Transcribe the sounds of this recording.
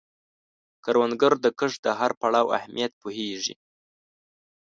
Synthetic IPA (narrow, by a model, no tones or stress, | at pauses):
kaɾwand̪ɡəɾd̪əkəʂd̪əɦaɾpaɽɑwa̰hmijat̪̚poɦeʐḭ